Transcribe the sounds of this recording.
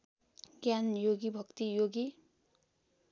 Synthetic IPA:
ɡjanjoɡibʱʌkt̪ijoɡi

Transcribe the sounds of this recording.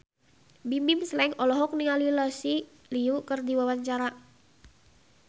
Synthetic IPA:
bimimslaɪŋɔlɔɦɔk̚niŋalilɔsi | liukərdiwawaɲt͡ʃaɾa

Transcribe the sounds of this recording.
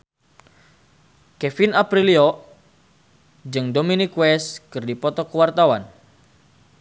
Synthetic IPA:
kɛfinapɾiliɔ | d͡ʒɨŋdominikwɛskɨrdipɔt̪ɔkəwart̪awan

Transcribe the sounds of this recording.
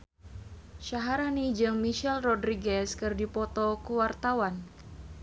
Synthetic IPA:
ʃaɦaɾanid͡ʒɨŋmiʃɛlrɔdɾiɡɛskɨrdipɔt̪ɔkuwart̪awan

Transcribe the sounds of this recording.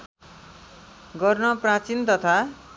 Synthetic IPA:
ɡʌrnʌprat͡sint̪ʌt̪ʰa

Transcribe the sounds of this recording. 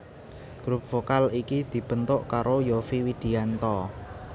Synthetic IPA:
ɡ̥ɾup̚fokalikid̪̥i̤b̥ə̤nt̪ʊʔkaɾojofiwid̪̥i̤ant̪ɔ

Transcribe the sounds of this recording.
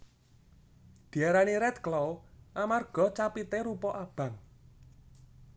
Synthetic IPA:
d̪̥i̤aɾaniɾɛt̪klɔwʔamarɡ̥ɔ̤t͡ʃapit̪eɾupɔʔab̥ä̤ŋ

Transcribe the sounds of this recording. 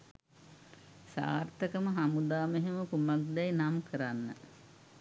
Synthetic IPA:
sa̰ːrt̪əkəməɦamud̪aːmeɦeməkumak̚d̪ɛjnamkəɾanːə̰

